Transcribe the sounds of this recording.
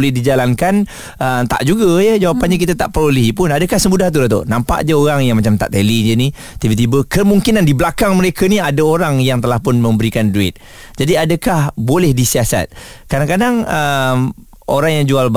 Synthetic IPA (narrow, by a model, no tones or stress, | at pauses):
lɛhdid͡ʒalankan | əmt̪a̰ʔd͡ʒuɡəjəd͡ʒawapanɲak̬it̪at̪a̰ʔpəɾoliɦipʊnadəkahsəmudaht̪̬udat̪̬o̰ʔnampa̰ʔd͡ʒəoɾaŋjaŋmat͡ʃamt̪a̰ʔt̪elid͡ʒəni | t̪ibət̪̬ibəkəmuŋkinandiblakaŋməɾekaniadaoɾaŋjaŋt̪əlahpʊnmə̃mbəɾikanduɪ̰t̪̚ | d͡ʒadiadəkahbolɛhdisiasa̰t̪̚kadaŋkadaŋəm | ʔo̰ɾaŋjaŋd͡ʒualb